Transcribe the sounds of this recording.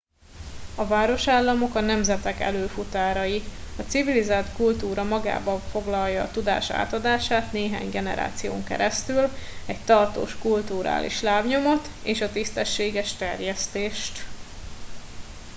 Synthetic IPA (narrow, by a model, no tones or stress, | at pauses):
ɒvaːɾo̞ʃaːlːɒmo̞kɒnɛmzɛt̪ɛkɛ̰løːfut̪aːɾɒjiɒt̪sivilizaːlt̪kult̪uːɾɒmɒɡa̰ːbɒɱfo̞ɡlɒljɒːt̪ud̪a̰ːʃa̰ːt̪ɒd̪aːʃaːt̪neːɦa̰ːɲɡɛnɛ̰ɾa̰ːt̪sijo̰ːŋkɛ̰ɾɛst̪ylɛɟt̪ɒrt̪o̰ːʃkult̪uɾa̰ːlʔḭʃlaːbɲo̞mo̞t̪ | eːʃɒt̪ist̪ɛʃːeːɡɛʃt̪ɛrjɛst̪eːʃt̪